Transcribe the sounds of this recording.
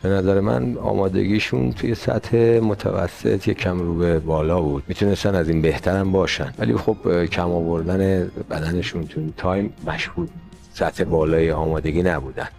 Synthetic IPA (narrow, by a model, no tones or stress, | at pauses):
b̥e̞næzæɾemæ̰nɒ̰ːmɒːd̪e̞̰ɡiːʃunt̪ʰujesæ̰t̪he̞mot̪ʰæ̰væ̰sːe̞̰t̪ʰjecʰæmruːbebɒːlɒːbud̪̥̚miːt̪ʰunest̪ænæziːnbe̞ht̪ʰæɾæmbɒːʃænvæ̰lḭxobkʰæmɒːvo̞ɾd̪ænebæd̪æne̞ʃunt̪ʰuint̪ʰɒjmːæʃhuːd̪ | sæt̪he̞bɒːlɒːjeɒːmɒːd̪e̞ɡiːnæbuːd̪æ̰nd̪̥